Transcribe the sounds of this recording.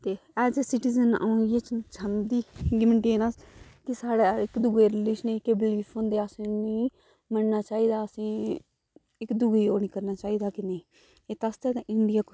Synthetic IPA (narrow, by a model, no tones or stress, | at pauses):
t̪eːɛːzesɪʈiːzəna̰ːijeːt͡ʃt͡ʃʰənd̪iːɡɪməɳʈeːnəskɪsaːɽaːɪkd̪ʊɡeːɾɪliːʃnẽːkeːbɪliːpʰɦõːnd̪eːəsĩːnĩː | mənnaːt͡ʃaːiːd̪aːəsĩː | ɪkd̪ʊɡeːoːnĩːkəɾnaːt͡ʃaːiːd̪aːkɪneː | eːt̪ast̪eːt̪ãʔɪɳɖɪjaːk